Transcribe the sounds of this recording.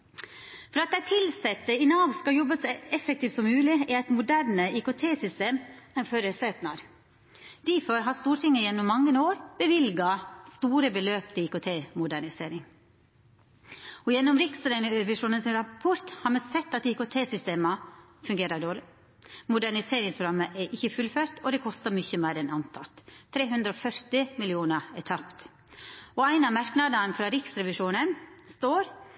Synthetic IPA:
fɔɾɑt̪̚d̪æɪt̪ʰɪlsɛt̪ːəɪnɑʋskɑjɔbəsɔɛfək̚t̪ʰiːft̪sɔmːʉːlɪɪæɪt̪mʊd̪æɾɳəikʊt̪ʰeːsʏst̪eːmɛnføːɾəseːt̪nɑɾ | d̪̥ɪfɔɾɦɑst̪uːɾʈ̪ʰɪŋːəjɛnːʊmːɑŋːənoːɾb̥əʋɪlɡɑst̪uːɾəbəløːpt̪əiːkʊt̪ʰeːmʊd̪æɳɪseːɾɪŋ | ɔjɛnːɔmɾɪksɾʋɪʂuːnənsɪnɾɑpʰɔɾt̪hɑːɾmɛsɛt̪ːɑt̪iːkʊt̪ʰeːsʏst̪eːmɑ | fʉŋɡeːɾəɖoːɭɪ | mʊd̪æɳɪseːɾɪŋspʰɾʊɡɑmːəʔɛʔɪçːəfʉlføːɾt̪ɔd̪ɛkʰɔst̪əmʏçəmæɪɾɛnɑnt̪ʰɑt̪ʰːɾeːɦʉnd̪ɾəɔfœɾt̪ɪmɪlɪuːnəɛt̪ʰɑpt̪ | ɔæɪnɑmɑɾknɑd̪ɑnfɾɑɾɪksɾɛʋɪʂuːnənst̪oːɾ

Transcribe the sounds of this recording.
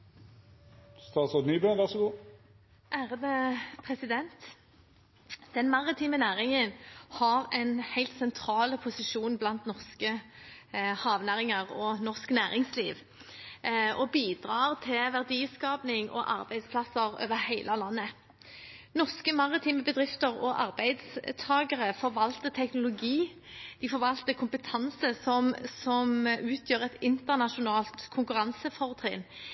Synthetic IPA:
st̪ɑːt̪sɔniːbøːnʋæʁsɔɡuː | ʔæːʁədəpʰʁɛsɪd̪ɛnt̪ | d̪̥ɛnmɑʁɪt̪ʰiːmənæːʁɪŋənhɑʁɛnhæɪlt̪sɛnt̪ʰɾɑːləpʰʊsɪʃuːnblɑnt̪nɔʁskə | hɑːʋnæʁɪŋəʁɔnɔʁsknæːʁɪŋsliːʋ | ʔɔbiːd̪ʁɑːʁt̪ʰɪlʋæʁd̪iːskɑːpnɪŋɔ̰ʔɑ̰ʁbæɪd̪spʰlɑsəɾø̰ːʋəhæɪlʔəlɑnːə | nɔʁskəmɑʁɪt̪ʰiːməbəd̪ʁɪft̪əʁɔʔɑ̰ʁbæɪd̪st̪ʰɑːɡəʁəfɔʁʋɑlt̪ət̪ʰɛknʊlʊɡiː | d̪̥ɪfɔʁʋɑlt̪əkʰʊmpət̪ʰɑnsəsɔmsɔmʔʉːt̪ʰjøːʁɛt̪ɪnt̪əʁnɑʃʊnɑːlt̪kʰʊŋkʉʁɑnsəfɔʁt̪ʰʁɛːn

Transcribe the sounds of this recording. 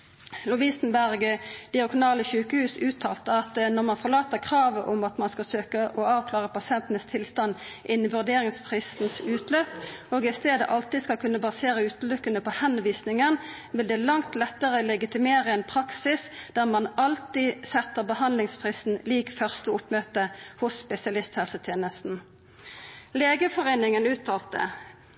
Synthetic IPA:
lʊʋiːsənbæʁɡəd̪ɪɑkʊnɑːləçʉːkəhʉːsʉːt̪ʰɑ̰ːlt̪əɑt̪nɔʁmɑnfɔʁlɑːt̪əʁkʰʁɑːʋəʔʊmɑt̪mɑnskɑsøːkəʔɔɑːʋkʰlɑːʁəpɑsɪɛnt̪ənəst̪ʰɪlst̪ɑnːʔɪnːʋʉʁd̪eːʁɪŋsfʁɪst̪n̩sʉːt̪løːpoːɡɪst̪eːd̪ə̰ʔɑlt̪ɪskɑlkʰʉnːəbɑseːʁəʉːt̪̩lʏkːənəpɔhɛnʋiːsnɪŋən | ʋɪld̪ɛːlɑŋt̪lɛt̪ːəʁəlɛɡɪt̪ɪmeːʁəɛnpʰʁɑksɪsd̪̥æːʁmɑnɑlt̪isɛt̪ːəʁbəhɑnlɪŋspʰʁiːsn̩liːkfœʁst̪əʊpmøːt̪əhʊsːpɛsɪɑlɪst̪hɛlsət̪ʰjeːnəst̪n̩ | leːɡəfɔʁeːnɪŋənʉːt̪ʰɑːlt̪ə̰

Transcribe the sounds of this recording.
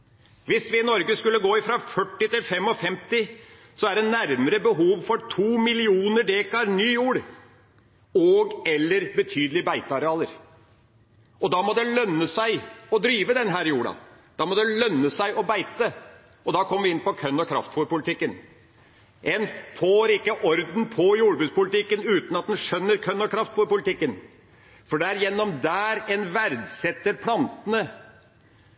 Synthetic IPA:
ʋɪsʋɪɪnɔɾɡəskʉlːəɡoːɪfɾɑfœʈːɪt̪ɪlfɛmːɔfɛmt̪ɪ | sɔæɖɛnæɾməɾəbəɦuːʋfɔɾʈʰuːmɪlɪuːnəɖeːkɑɾnyːjuːɽ | ɔɡɛlːəɾbət̪ʰyːd̪əlɪbæɪt̪əɑɾɛɑːləɾ | ɔd̪ɑmɔd̪ɛlœnːəsæɪɔd̪ɾyːʋəd̪ɛnɦæːɾjuːɽɑ̰ | d̪̥ɑmɔd̪ɛlœnːəsæɪʔɔbæɪt̪ə | ɔd̪ɑːkʰɔmːəʋɪɪnpɔkʰœnːɔkʰɾɑ̰ft̪fɔɾpʊlɪt̪ɪkːən | ʔɛnpʰoɾɪkːəʔɔɾd̪n̩pʰɔjuːɽbʉːd̪spʊlɪt̪ɪkːənʉːt̪n̩ɑt̪̚d̪ɛnʂœnːəɾkʰœnːɔkʰɾɑft̪fɔɾpʊlɪt̪ɪkːən | fɔɖɛæɾjɛnːɔmd̪æːɾɛnʋæɾd̪sɛt̪ːəɾpʰlɑnt̪ənə

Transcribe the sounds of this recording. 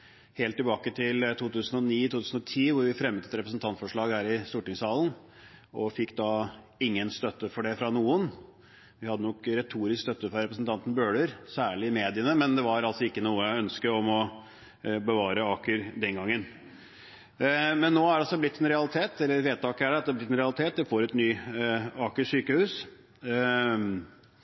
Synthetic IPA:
heːlt̪ːɪlbɑːkət̪ʰɪlt̪ʰuːt̪ʉːsənɔniːt̪ʰuːt̪ʰʉːsnɔt̪ʰiːʋʊɾʋɪfɾɛmːət̪ɛt̪ɾɛpɾəsn̩t̪ʰɑnt̪fɔʂɭɑːɡhæːɾɪst̪uːʈɪŋsɑːln̩ | ɔfɪkːd̪ɑ | ɪŋːənst̪œt̪ːəfɔɖɛfɾɑnuːən | ʋɪhɑd̪ːənɔkɾɛt̪ʰuːɾɪskst̪œt̪ːəfɾɑɾɛpɾəsnt̪ʰɑnt̪n̩bøːɭəɾsæːɭɪɪmeːd̪ɪənəmɛnd̪ɛʋɑɾɑlsɔɪkːənuːəjæɪœnskəɔmɔ | bəʋɑːɾəɑːkəɾd̪ɛnɡɑŋːən | mɛnːoːæɾɖɑlsɔblɪt̪ːɛnɾɛɑlɪt̪ʰeːt̪ɛlːəɾʋeːd̪t̪ʰɑːkːæɖɛɑt̪d̪ɛæblɪt̪ːɛnɾɛɑlɪt̪ʰeːt̪̚d̪ɛfoːɾɛt̪nyːɑːkəʂyːkəhʉːs

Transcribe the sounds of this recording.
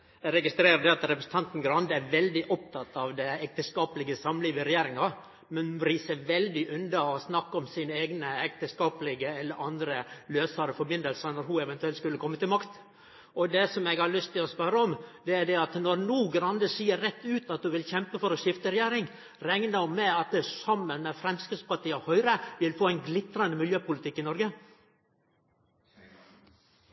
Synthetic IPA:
ɛɾɛɡɪst̪ɾeːɾəɖ̪ɛɑt̪ɾɛpɾəsn̩t̪ʰɑnt̪n̩ɡɾɑnd̪əæɾʋɛld̪ɪʔɔp̚t̪ʰɑt̪ːɑʋd̪ɛɛk̚t̪əskɑːplɪɡəsɑmliːʋəɾɛjeːɾɪŋɑ | mɛnɾiːsəʋɛld̪ɪʔʉnd̪ɑɔsnɑkːɔmsinəeːɡnəɛk̚t̪əskɑːpəlɪɡəɛlːəɾʔɑnd̪ɾəløːsɑɾəfɔɾbɪnd̪əlsənɔɾɦʊɛʋɛnt̪ʉɛlt̪skʉlːəkʰɔmːət̪ɪlmɑkt̪ | ɔd̪ɛsɔmɛɡhɑɭʏst̪ɪlɔspœɾəɔmd̪ɛæɖɛɑt̪nɔɾnuːɡɾɑnd̪əsiːəɾɾɛt̪ːʉːt̪ɑt̪̚d̪ʉʋɪlçɛmpəfɔɾɔʂɪft̪əɾɛjæːɾɪŋ | ɾɛŋnəɔmɛɑt̪̚d̪ɛsɑmːənmɛfɾɛmskəspɑʈiːəɔhœʏɾəʋɪlfoːæɪnɡlɪt̪ɾɑnd̪əmɪljøːpʊlɪt̪ʰɪkːɪnɔɾɡə

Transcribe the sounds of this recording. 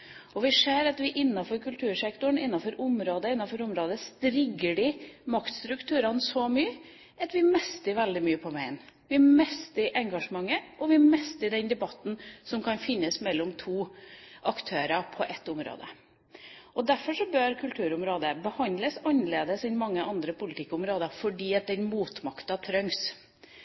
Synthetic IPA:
ɔʋɪseːɾɑt̪ʋɪʔɪnːɑfɔɾkʉlt̪ʰʉːɾʂɛkt̪ʊɳɪnːɑfɔɾʔʊmɾoːd̪əɪnːɑfɔɾʊmɾoːd̪əst̪ɾɪɡːəɖɪmɑkt̪st̪ɾʉkt̪ʰʉːɾɑnsɔmyːə | ʔɑt̪ʋɪmɛst̪əɾʋɛld̪ɪmyːəpʰɔʋæɪnʋɪmɛst̪ɪʔɛŋɡɑʂəmɑŋːəʔɔʋɪmɛst̪əɾd̪ɛnd̪ɛbɑt̪ːn̩sɔmkʰɑnfɪnːəsmɛlːɔmt̪ʰuːʔɑkt̪ʰøːɾɑpʰɔʔɛt̪ːʊmɾo̰ːd̪ə̰ | ɔd̪æɾfɔʂɔbøːɾkʰʉlt̪ʰʉːɾʊmɾoːd̪əbəhɑnd̪ləsɑnəleːd̪əsɛnmɑŋːəʔɑnd̪ɾəpʊlɪt̪ʰɪkːʊmɾoːd̪əfɔɖiːɑt̪̚d̪ɛnmuːt̪mɑkt̪ɑt̪ʰɾœŋs

